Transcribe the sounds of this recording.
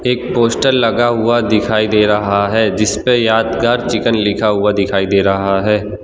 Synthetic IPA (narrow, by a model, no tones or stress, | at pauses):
eːk̚poːsʈəlːɐɡaɦʊad̪ɪkʰaːid̪eːɾɐɦaɦɛːd͡ʒɪspejaːd̪ɡəɾt͡ʃɪkənlɪkʰaɦʊad̪ɪkʰaːid̪eːɾɐɦaɦɛː